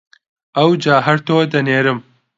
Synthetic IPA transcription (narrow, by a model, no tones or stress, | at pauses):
ɐwd͡ʒaːɦɐɾt̪ʰoːd̪ɐneːɾɨm